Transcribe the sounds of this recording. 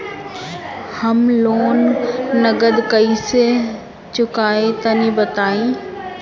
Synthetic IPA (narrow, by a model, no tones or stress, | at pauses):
hɐmloːnːɐɡəd̪kɐise | t͡ɕʊkaːet̪ɐnĩbɐt̪aːĩː